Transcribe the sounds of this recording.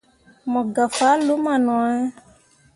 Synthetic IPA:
mɔ̃˨ɡa˨fa˨˦lo˨˦mã˨nɔ̃˨˦ɛ˦

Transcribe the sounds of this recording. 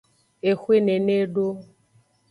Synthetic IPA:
e˨xwe˦ne˨ne˦ɖo˦

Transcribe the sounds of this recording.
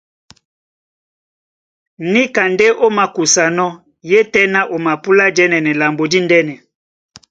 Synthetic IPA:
ni˦ka˨nde˦ʔo˦ma˨ku˨sa˨nɔ˦ | je˦tɛ˦na˦ʔo˨ma˨pu˦la˦d͡ʒɛ˦nɛ˨nɛ˨la˨mbo˨di˦ndɛ˦nɛ˨

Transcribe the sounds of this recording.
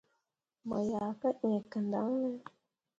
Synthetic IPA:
mə̰˨ja˨kə˦ʔe˨kə˨nda˦ŋnə˦

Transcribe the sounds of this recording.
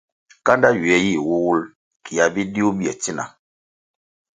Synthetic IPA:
ka˦nda˦ɥi˨ɛ˨˦ji˦˨wu˦wu˦l | ki˨ja˨bi˦di˦u˦bi˦ɛ˨ti˦na̰˨

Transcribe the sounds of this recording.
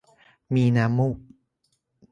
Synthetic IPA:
miː˧naː˧˥muː˥˩k̚

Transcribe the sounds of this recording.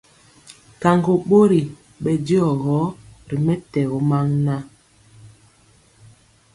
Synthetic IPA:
ka˨ŋɡo˨ɓo˦ɾi˨ | ɓɛ˨di˦ɔ˨ɣɔ˨˦ɾi˨mɛ˦tɛ˨ɣo˨˦ma˦ŋna˦

